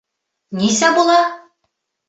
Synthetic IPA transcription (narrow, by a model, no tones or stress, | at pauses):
nisæbulˠɑ